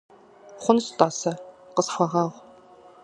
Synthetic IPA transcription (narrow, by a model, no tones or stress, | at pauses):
χʷʊnstʼaːsɐqəsxʷaʁaːʁʷ